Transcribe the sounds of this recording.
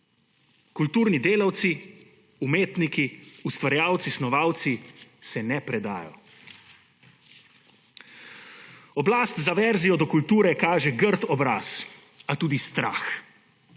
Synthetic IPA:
kult̪uːɾnid̪eːlawt̪si | umeːt̪nikiust̪ʋaɾjaːwt̪sisnɔʋaːwt̪sisɛnɛpɾɛd̪a̰ːjɔ̰ | ɔblaːst̪zaʋɛɾzijɔd̪ɔkult̪uːɾɛkaːʒɛɡəɾt̪ɔbɾaːs | at̪uːd̪ist̪ɾa̰ːx

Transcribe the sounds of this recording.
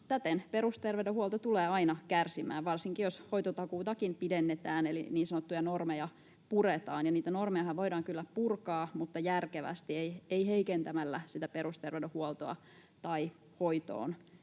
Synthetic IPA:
t̪æt̪enpeɾust̪erʋedøhuolt̪ot̪uleːɑinɑkærsimæ̰ːʋʋɑrsiŋkijosho̞it̪ot̪ɑkuːt̪ɑkimpidenːet̪æːnelḭniːnsɑnot̪ːujɑnormejɑ | puret̪ɑːnjɑniːt̪ænormejɑhɑʋʋo̞jɾɑːŋkylːæpurkɑːmut̪ːɑjærkeʋæ̰st̪ieieiheikent̪æmælːæsit̪æpeɾust̪erʋedøhuolt̪oɑ̰ | t̪ɑi | hoit̪o̰ːn

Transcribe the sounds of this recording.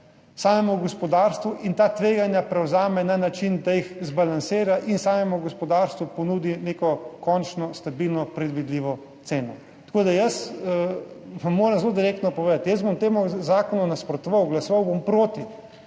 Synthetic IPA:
saːmɛmuɡɔspɔd̪aːɾst̪ʋuʔint̪aːt̪ʋeːɡanjapɾɛwzaːmɛnanat͡ʃind̪ajixzbalansiːɾaʔinsaːmɛmuɡɔspɔd̪aɾst̪ʋupɔnuːd̪ineːkɔkɔnt͡ʃnɔst̪abilnɔpɾɛd̪ʋid̪liːʋɔ | t̪seːnɔ | t̪ḁkoːd̪ajɐsəʋamːoːɾəmzlod̪iɾeːk̚t̪nɔpɔʋeːd̪at̪jəzbomt̪eːmuzaːkɔnunaspɾɔt̪ɔʋawɡlasɔʋawbompɾoːt̪i

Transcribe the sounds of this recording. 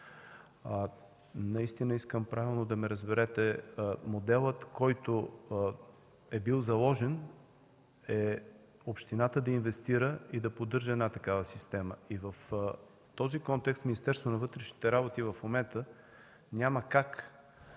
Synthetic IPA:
nɐist̪inəiskəmpɾʔavilˠnod̪ɐmɛɾəzbɛɾɛt̪ɛmod̪ɛlˠət̪kɔjt̪o | ɛbilˠzɐlˠɔʒɛn | ɛ | opʃt̪inat̪əd̪ɐinvɛst̪iɾəid̪ɐpod̪ɤɾʒəɛd̪nat̪ɐkavəsist̪ɛməivəf | t̪ɔzikɔnt̪ɛkst̪minist̪ɛɾst̪vonɐvɤt̪ɾɛʃni̥t̪ɛɾabot̪ivɐfmomɛnt̪ə | nʲaməkak

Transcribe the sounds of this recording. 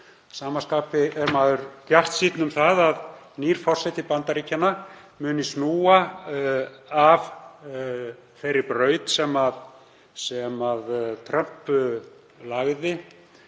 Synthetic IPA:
saːmaskaːpɪɛɾmaːðʏɾpjar̥t̪siːt̪nʏmθaðað | niːɾ̥fɔr̥sɛt̪ɪpant̪aɾiːcʰanːa | mʏːnɪsnuːa | av | θejrːɪpɾœːɥt̪sɛmað | sɛmaðt̪ʰɾœm̥p | laɣðɪ

